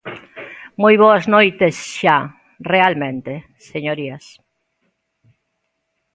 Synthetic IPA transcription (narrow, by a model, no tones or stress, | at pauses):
mojβoɐznojt̪esʃa | realmẽnt̪e | seɲoɾiɐs